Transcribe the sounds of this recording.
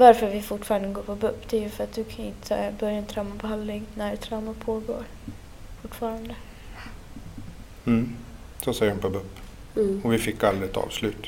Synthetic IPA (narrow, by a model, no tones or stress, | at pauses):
vaɾfœɾvɪfʊʈːfɑːɾand̪əɡoːpʰɔbɵpːd̪ɛæjɵfœɾat̪̚d̪ɵkʰanɪ̰nt̪ʰə̰bœɾjant̪ʰɾawmabɛɦand̪lɪŋnæɖɛt̪ʰɾawmapʰoːɡo̰ːɾ | fʊʈːfɑːɾand̪ə | m̩ː | sɔsɛjəɾʊnpʰɔbɵpː | ɔvɪfɪkːald̪ɾɪɛt̪ʰɑ̰ːvslʉ̟ːt̪